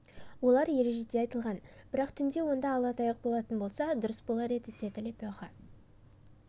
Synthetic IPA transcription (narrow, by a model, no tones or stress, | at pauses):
wo̞lˠɑɾje̞ɾe̞ʒe̞d̪e̞ɑjt̪əlˠʁɑnb̥ɪɾɑqt̪ʰʏnd̪e̞wo̞nd̪ɑːlˠɑt̪ɑjəq̚bo̞lˠɑt̪ənbo̞lˠsɑd̪ʊɾəsbolˠɑɾe̞d̪ɪset̪ɪlepoχɑ